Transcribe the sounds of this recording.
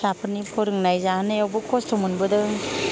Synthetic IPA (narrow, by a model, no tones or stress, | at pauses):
apʰɯnipʰɔɾɯŋnajzahanajawbɯkʰɔstʰɔmunbɯdɯ